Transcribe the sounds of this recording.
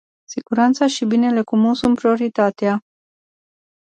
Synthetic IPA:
siɡ̥uɾant̪saʃibine̞le̞kumusunt̪pɾio̞ɾit̪at̪ea

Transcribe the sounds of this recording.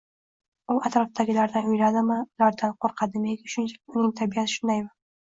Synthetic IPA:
ʊat̪ɾɒfd̪aɡʲɪlaɾd̪anʊjɾad̪ɪmɪlaɾd̪anqʰoɾqʰɑd̪ɪmeɡʲɪʃʊnt͡ʃʰḁʊnɪŋt̪ʰabijat̪ʰɪ̥ʃʊnd̪ajbʊ

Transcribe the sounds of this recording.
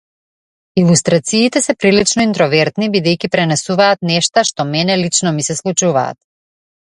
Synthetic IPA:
ilˠust̪ɾat̪siːt̪ɛsɛpɾilit͡ʃnɔint̪ɾɔvɛɾt̪nibid̪ɛjkʲipɾɛnɛsuvaːt̪nɛʃt̪aʃt̪ɔmɛnɛlit͡ʃnɔmisɛslˠut͡ʃuva̰ːt̪̚

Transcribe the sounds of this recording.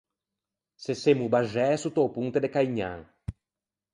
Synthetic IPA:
sesemubaʒɛsut̪opũnt̪ed̪ekaiɲã̰ŋ

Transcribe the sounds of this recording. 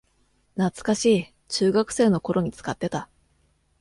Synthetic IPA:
nat͡sɨ̥kaɕiː | t͡ɕɨːɡakɯ̟̥se̞ːno̞ko̞ɾo̞ɲ̟it͡sɨ̥kat̪ːe̞t̪a

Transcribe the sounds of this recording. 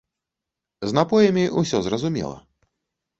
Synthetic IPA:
znapɔjɐmʲiʔusʲɔzrɐzumʲɛ̰lˠɐ̰

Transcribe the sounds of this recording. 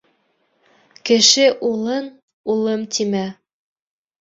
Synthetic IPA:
kɘ̆ʃɘʔulˠɤn | ulˠɤmt̪imæ

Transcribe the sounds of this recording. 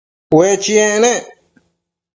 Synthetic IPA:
wet͡ʃiẽʔnẽ

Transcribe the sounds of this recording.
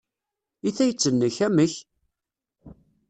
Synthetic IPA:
iθæjət͡sːənːəçæməç

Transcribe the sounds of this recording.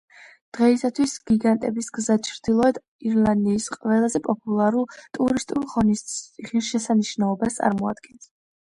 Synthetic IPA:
d̪̥ʁɛisat̪ʰwisɡ̥iɡant̪ʼɛbisɡzat͡ʃʰɾd̪̥ilˠɔɛd̪ | iɾlˠand̪iːsqʼvɛlˠazɛpʼɔpʼulˠaɾulˠt̪ʼuɾist̪ʼulˠʁɔnisʁiɾʃɛsaniʃnaɔbast̪sʼa̰ɾmɔa̰d̪̥ɡɛns

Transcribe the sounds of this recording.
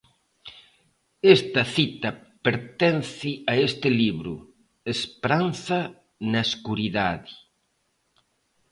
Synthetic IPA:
est̪ɐθit̪ɐ | peɾt̪ɛnθɪaest̪ɪliβɾṵ | espɾanθɐ | nɐeskuɾiðaði

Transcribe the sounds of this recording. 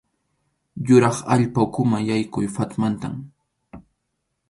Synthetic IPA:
jʊɾɑχa̰ʎpaʊkʊmajajkʊjfat̪mant̪a̰m

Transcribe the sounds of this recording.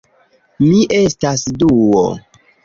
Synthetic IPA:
miʔe̞stasduo̰

